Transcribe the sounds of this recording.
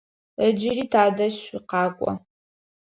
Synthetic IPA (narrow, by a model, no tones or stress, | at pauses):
əd͡ʒɪriːtʰaːdɐɕiqɑːkʷʼɔ̰